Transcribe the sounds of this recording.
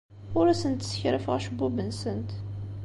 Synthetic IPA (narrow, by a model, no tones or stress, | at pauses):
ʊɾæsənt̪sə̥çɾəfʁæʃəbːubənsənt̪